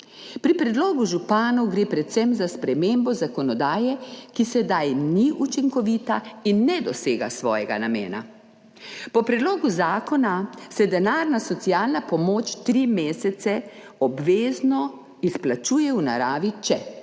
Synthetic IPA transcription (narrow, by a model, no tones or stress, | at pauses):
pɾipɾɛd̪loːɡuʒupaːnɔwɡɾeːpɾɛt̪sɛmzaspɾɛmeːmbɔzakɔnɔd̪aːjɛkisɛd̪ajniʔut͡ʃiŋkɔʋiːt̪ainːɛd̪ɔseːɡa̰sʋɔ̰ːjɛɡa̰namḛːna̰ | pɔpɾɛd̪loːɡuzaːkɔnasɛd̪ɛnaːɾnasɔt̪siaːlnapɔmoːt͡ʃt̪ɾimeːsɛt̪sɛ | ɔbʋeːznɔ | isplat͡ʃuːjɛwna̰ɾaːʋit͡ʃɛ